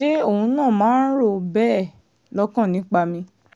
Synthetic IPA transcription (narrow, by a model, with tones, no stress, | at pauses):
e˦o˦˨ũ˧nãː˦˨mãː˨˦n̩˦ɾo˦˨bɛ˦˨ | lɔ˦kã˦˨nĩ˨˦k͡pa˧mĩ˧